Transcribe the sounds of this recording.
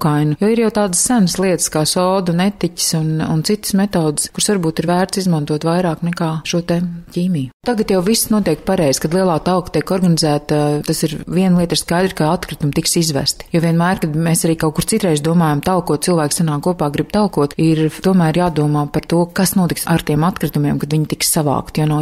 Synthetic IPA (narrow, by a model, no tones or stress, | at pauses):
kajnujoːiɾjawt̪aːd̪sːænslˠiɛt̪ɨskaːsɔːd̪unɛt̪icʲi̥sunṵnt̪sit̪smɛt̪ɔːd̪ɪskuɾsvaɾbuːt̪iɾvæːɾt̪sizmant̪uɔt̪ʋajɾaːknɛkaːʃuɔt̪ɛciːmijut̪aɡat̪jawvisnuɔt̪iɛk̚paɾɛjz̥kad̪lˠiɛlˠaːt̪alˠkt̪iɛkɔɾɡanizæːt̪at̪asiɾviɛnlˠiɛt̪skajd̪ɾkaat̪kɾit̪umt̪iksizʋæ̰st̪i̥joviɛnmæːɾkad̪meːsaɾiːkawkuɾt̪sit̪ɾɛjzd̪uɔmaːjamt̪alˠkuɔt̪̚silˠvæːksanaːkuɔpaːɡɾib̥̚t̪alˠkuɔt̪iɾt̪uɔmæːɾjaːd̪uɔmaːpaɾt̪uɔkasnuɔt̪iksaɾt̪iɛmat̪kɾit̪umiɛmkad̪vʲiɲt̪ikssaʋa̰ːkt̪janaw